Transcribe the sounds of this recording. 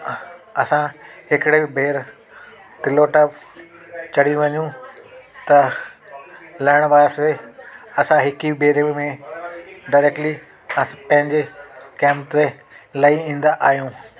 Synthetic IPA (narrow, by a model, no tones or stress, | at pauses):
ɐsãɦɪkɪɽeɪbʱeːɾ | t̪ɪloːʈəp | t͡ɕɐɽ̤iũʋɐɲũ | t̪ɐ | lɐɪɽ̃baːɾseɐsãɦɪkibʱeːɾemẽ | ɖaɪɾeːk̚ʈli | ɐpɐ̃ɦɪ̃ɲd͡ʑekɛ̃ːmpt̪e | lɐiĩːn̆d̪aʔaːɦjũː